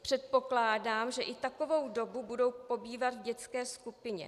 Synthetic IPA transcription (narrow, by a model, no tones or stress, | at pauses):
pr̥ɛt̪̚po̞klaːdaːmʒɛʔɪt̪ako̞vo̞wdo̞bubudo̞wpo̞biːvat̪vɟɛt͡skɛːskupɪɲɛ̰